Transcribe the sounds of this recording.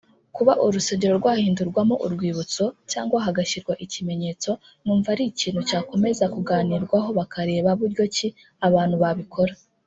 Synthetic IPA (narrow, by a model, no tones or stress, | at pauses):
kuβaʔuɾuseɟeɾo̞ɾɡwaːhiːnduɾɡwamoʔṵɾɡwiːβut͡so̞caːŋɡwaɦaɡaʃiɾɡwaʔicime̞ɲe̞ːt͡so̞ | nuːɱvaɾiciːnhucaːko̞me̞zakuɡaːniɾɡwaɦo̞βakʰaɾe̞ːβaβuɾɟo̞ci | aβaːn̥huβaβikʰo̞ɾa